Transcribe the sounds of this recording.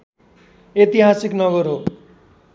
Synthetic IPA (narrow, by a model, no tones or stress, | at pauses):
et̪iɦasiknʌɡʌɾɦo